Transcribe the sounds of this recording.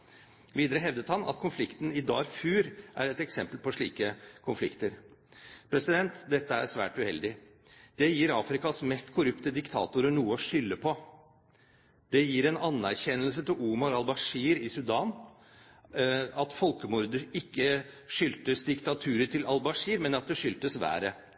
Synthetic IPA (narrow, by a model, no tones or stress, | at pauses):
ʋiːd̪əɾəɦɛʋd̪ət̪hɑnʔɑ̰t̪kʰʊnflɪkt̪n̩ɪd̪ɑːɾfʉːɾʔæ̰ɾɛt̪ɛksɛmpəlpʰɔʂɭḭːkəkʰʊnflɪ̰kt̪əɾ | pʰɾɛsɪd̪ɛnt̪d̪ɛt̪ːəæɾsʋæ̰ːʈʉhɛ̰ld̪ɪ | d̪̥ɛjiːɾɑːfɾɪkɑsmɛst̪kʰʊɾʉpt̪əd̪ɪkt̪ʰɑ̰ːt̪ʊɾənuːəɔʂʏlːəpʰɔ | d̪̥ɛjiːɾɛnɑnːæɾçɛnːəlsət̪ʰɪluːmɑɾɑlbɑʂiːɾɪsʉd̪ɑːn | ɑt̪fɔlkəmʊɾd̪əɾɪkːəʂʏlt̪əsd̪ɪkt̪ɑt̪ʰʉːɾəʈʰɪlɑlbɑʂiːɾmɛnɑt̪̚d̪ɛʂʏlt̪əsʋæ̰ːɾə